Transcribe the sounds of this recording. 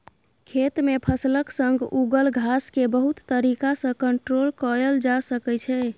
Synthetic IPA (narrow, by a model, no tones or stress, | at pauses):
kʰet̪mepʰəsləksəŋɡuɡəlɡʱaskebəɦut̪ːəɾikasə̃kəɳʈɾolkəɾəld͡ʒasəkɛt͡ʃʰɛ